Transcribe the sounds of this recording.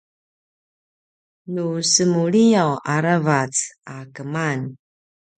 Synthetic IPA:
nusəmuɭijawʔaɾavat͡sakəman

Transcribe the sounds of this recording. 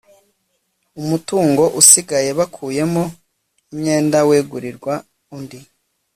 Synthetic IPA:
umutuːŋɡo̞ʔusiɡaje̞βakʰuːje̞mo | imɲe̞ːndaweːɡuɾiɾɡwa | undi

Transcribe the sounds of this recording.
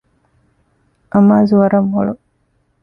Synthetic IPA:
ʔɐmaːzuʋɐɾɐmʋoɭu

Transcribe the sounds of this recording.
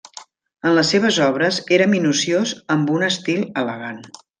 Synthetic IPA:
ənləsːeβ̞əzɔβ̞ɾəzeɾəminusiozəmbunəst̪ilˠələɣan

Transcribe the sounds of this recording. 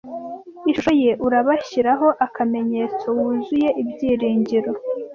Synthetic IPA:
iʃoje̞ʔuɾaβaçiɾaɦo̞ʔakʰame̞ɲe̞ːt͡so̞wuzuje̞ʔibjiːɾiːɲɟiɾo̞

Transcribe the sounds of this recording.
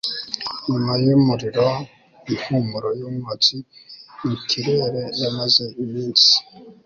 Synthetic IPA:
ɲumajimuɾiɾo | inhumuɾojomwat͡sinikʰiɾeːɾenamazeimiːnsi̥

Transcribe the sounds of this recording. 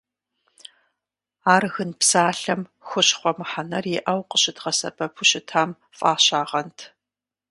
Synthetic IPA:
aːrɣɨnpsaːɬɐmxʷʊɕχʷɔmɨħanɐrjɛʔɐwqəɕɪtʁɐsɐ̰bʰɐpʰʊɕɪtʰaːm | fʼaːɕaːʁɐntʰ

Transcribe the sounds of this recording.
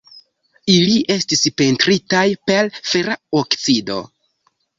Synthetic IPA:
iliʔe̞stispe̞ntɾitajpe̞lfeɾaokt͡sido̞̰

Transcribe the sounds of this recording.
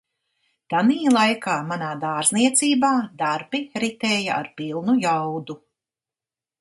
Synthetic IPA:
t̪aniːlˠajkaːmanaːd̪aːɾzniɛt̪siːbaːd̪aɾbiɾit̪eːjaa̰ɾpilˠnujawd̪u

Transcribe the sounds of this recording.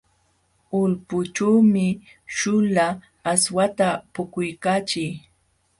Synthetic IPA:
ʊlpʊt͡ʃuːmɪ | ʃʊlaː | swat̪apʊkʊjkaːt͡ʃɪj

